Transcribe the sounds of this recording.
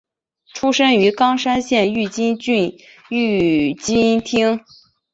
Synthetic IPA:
ʈ͡ʂʰu˥ʂɤ˥ŋy˧˥kɑ˥ŋʂa˥nɕjɛ˥˧ny˥˩t͡ɕi˥y˥˧˥ | t͡ɕi˥nt̪ʰi˥ŋ

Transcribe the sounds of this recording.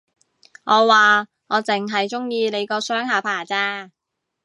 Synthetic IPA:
ŋɔː˨˧waː˨ | ŋɔː˨˧t͡sɪ˨˩ŋɦɐ˨jt͡sʊ˥ŋjiː˧ne˨˧jkɔː˧sœː˥ŋɦaː˨˧pʰaː˨˩t͡saː˧

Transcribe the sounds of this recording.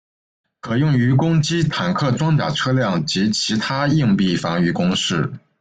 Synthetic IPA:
kʰɤ˨˩jʊ˥˩ŋy˧˥kʊ˥ŋt͡ɕi˥t̪ʰa˨˩nkʰɤ˥˩ʈ͡ʂwɑ˥ŋt̪ja̰˨˩ʈ͡ʂʰɤ˥ljɑ˥˩ŋt͡ɕi˧˥t͡ɕʰi˧˥t̪ʰa˥i˥˧ŋpi˥˩fɑ˧˥ŋy˧˩kʊ˥ŋʂɻ̩˥˩

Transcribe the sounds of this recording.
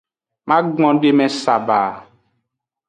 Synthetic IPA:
mã˦ɡɔ̃˦ɖe˦mɛ̃˨sa˨ba˨

